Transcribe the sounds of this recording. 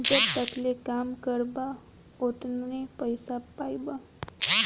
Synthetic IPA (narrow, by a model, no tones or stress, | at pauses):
d͡ʒət̪əklekamkəɾba | oʈ̪nnepəjsapajba